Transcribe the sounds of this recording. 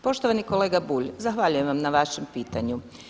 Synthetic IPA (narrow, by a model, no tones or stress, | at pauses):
po̞ʃt̪oʋaniko̞leːɡabuːʎzaxʋaʎuje̞mʋamnaʋaʃempiːt̪aɲu